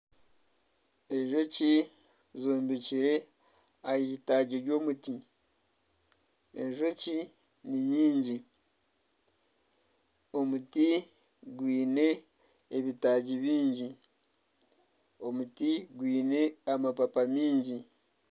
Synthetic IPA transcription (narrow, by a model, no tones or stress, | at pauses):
e̞ʒo̞ci | zuːmbiciɾe̞ | ajiitaɟiɾɟo̞ːmuti | eʒo̞ci | niɲiːɲɟi | o̞muti | ɡwiːne̞ː | βitaɟiβiːɲɟi | o̞mutiɡwiːne̞amapapamiːɲɟi